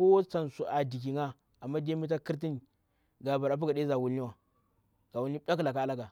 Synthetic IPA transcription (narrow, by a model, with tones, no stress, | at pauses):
o˦t͡sa˨nsu˨ʔa˨di˨k̬i˨ŋa˦ | a˨mːa˦de˦mi˦t̬a˦ki˦ɾt̬i˦ni˨ | ɡa˨ba˨ɾa˨p̬u˦ɡa˨de˦za˨wu˨lni˦wa˨ | ɡ̥a˨wu˦lni˦ɓʲa˦kla˨ka˦la˦ɡa˨